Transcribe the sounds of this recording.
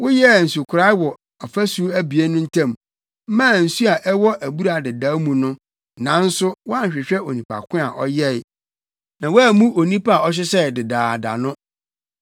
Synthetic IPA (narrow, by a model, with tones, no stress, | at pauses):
wʊ˦jɛ˦˨n̩˨su˨kʰʊ˨ɾa˦wɔ˨ | ɔ˨fæ˦su˦æ˦bi˨e˦nʊ̃˦n̩˦tʰã˦˨m | m̩˦mãː˦˨n̩˨su˦a˨ʔɛ˦wɔ˦ʔæ˨bu˦ɾa˨dɪ˨daː˨˦mũ˨nʊ̃˦ | nã˨˦n̩˦sʊ˦wɔ˦a˦ɲ̩˨ɕᶣɪ˨ɕᶣɛ˦o˨nĩ˨pʰa̰˨kʰʷʊ̃˦a˨ʔɔ˦jɛ˦ɪ˨ | nã˨wæ˦˨mũ˦ʔo˨nĩ˦pa˦a˨ɔ˦ɕ̬ɪ˦sɛ˦˨dɪ˨daː˨da̰˨nʊ̃˦